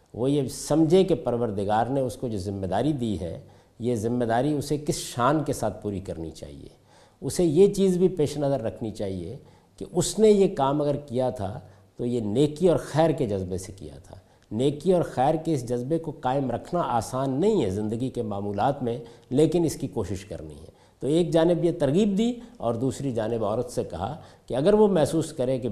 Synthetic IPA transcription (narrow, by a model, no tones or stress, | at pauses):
ʋojesɐmd͡ʒʱekepɐɾʋəɾd̪ɪɡaːɾneʊskod͡ʒoːzɪmːed̪aːɾid̪iːɦɛ̰ | jezɪmːed̪aːɾiʊsekɪsʃaːnkesaːt̪̚ʰpuːɾikɐɾnḭt͡ʃa̰ːɦḭḛ | ʊsejet͡ʃiːzbʱipeːʃnɐzəɾːɐkʰnit͡ʃaːɦie | keʔʊsnejekaːmɐɡəɾkijat̪ʰa̰ | t̪ojeneːkiɔːɾxɛːɾked͡ʒɐzbesekḭja̰t̪ʰa̰ː | neːkiɔːɾxɛːɾkeɪsd͡ʒɐzbekokaːɪmɾɐkʰnaʔaːsaːnːɐɦĩɦɛzɪ̃nd̪əɡikemaːmuːlaːt̪mẽleːkɪnɪskikoːʃɪʃkɐ̰ɾnḭɦɛ̰ | t̪oeːk̚d͡ʒaːnɪbjet̪ɐɾɣiːb̚d̪iːɔ̰ːɾd̪uːsɾid͡ʒaːnɪbɔːɾət̪sekɐ̰ɦa̰keɐɡəɾʋomɛɦsuːskɐɾẽke